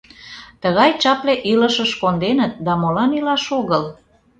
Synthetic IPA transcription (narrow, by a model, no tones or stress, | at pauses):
t̪əɣɑjt͡ɕɑpleʔiləʃəʃkond̪enət̪̚d̪ɑmolɑnilɑʃoɣəl